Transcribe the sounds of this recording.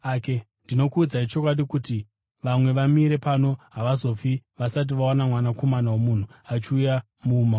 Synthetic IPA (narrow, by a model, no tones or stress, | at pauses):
ake | ndino̞kuːd͡zait͡ʃo̞kwaɗikuti | ʋamwe̞ʋamiɾe̞pano̞ɦaʋazo̞fiʋasat̬iʋaonamwanako̞manawomun̤uat͡ʃiuja | muːma